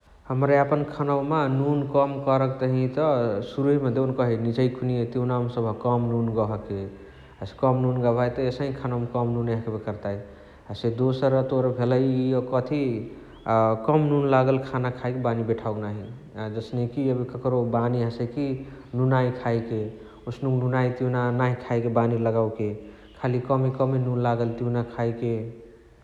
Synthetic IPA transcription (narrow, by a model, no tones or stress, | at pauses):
həmɾeapənkʰanawmenunkəmkəɾəkt̪əɦĩt̪ɔsuɾuɦimed̪enkəɦinid͡ʒəjkʰuniet̪iunamsəbʱəkəmnunɡəɦəke | askɔmnunɡəbʱajt̪ɔesəɦĩkʰanawmekɔmnuneɦkbekəɾt̪aj | ased̪osəɾət̪oɾbʱeləjiokət̪ʰi | kəmnunlaɡəlkʰanakʰaikebanibeʈʰauɡnaɦi | ad͡ʒəsnekiəbikəkɾobaniɦəsekinunaikʰaike | usnuknunajt̪junanaikʰaikebaniləɡawke | kʰalikəmikɔminunlaɡəlt̪iunakʰaike